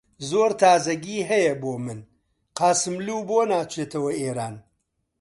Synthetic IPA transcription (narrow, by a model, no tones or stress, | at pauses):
zoːɾt̪ʰaːzɐɡiːɦɐjɐboːmɨn | qɑːsɨmluːboːnaːt͡ʃʰeːt̪ʰɐwɐeːɾaːn